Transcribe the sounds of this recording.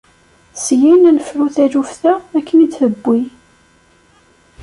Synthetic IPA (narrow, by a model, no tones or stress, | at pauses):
sjinænəfɾuθæʒufθæækːənid̪θəbːi